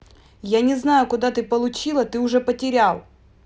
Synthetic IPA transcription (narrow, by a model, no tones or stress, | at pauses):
janʲɪznajʊkʊd̪at̪ɨpəlˠʊt͡ɕilˠət̪ɨʊʐɛpətʲɪɾʲalˠ